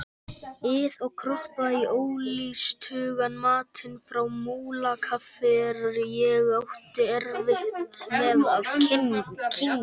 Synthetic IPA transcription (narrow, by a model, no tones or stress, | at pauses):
ɪðɔɣkʰɾɔhpaioːwlist̪ʰʏːɣanmaːt̪ʰɪnfɾawmuːlakʰafɪɾɾjɛɣawht̪ɪɛɾvɪht̪mɛðað | kʰɪŋ